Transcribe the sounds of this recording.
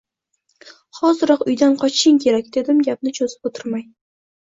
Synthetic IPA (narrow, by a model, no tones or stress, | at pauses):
χɒzɨɾɒqʊjd̪anqʰɒt͡ʃʃɪŋkʲʰe̞ɾakʲd̪e̞d̪ɪmɡʲap̚nɪt͡ʃʰozɪ̥pot̪ʰɪɾmaj